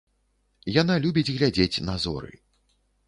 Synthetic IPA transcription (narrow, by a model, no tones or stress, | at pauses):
janalʲubʲid͡zʲɣlʲad͡zʲet͡sʲnazɔ̰ɾɨ̰